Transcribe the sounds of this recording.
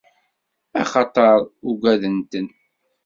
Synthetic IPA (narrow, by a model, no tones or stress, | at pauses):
ɑ̰χɑt̪ˤɑɾˤuɡʷæðənt̪ən